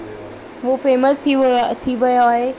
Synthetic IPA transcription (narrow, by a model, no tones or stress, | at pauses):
ʋofeːməst̪ʰit̪ʰiʋɐjoaːɦe